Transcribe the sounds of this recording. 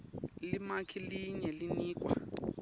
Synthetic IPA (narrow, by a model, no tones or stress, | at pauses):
limakʰiliɲɛliniːk̬ʼwa̰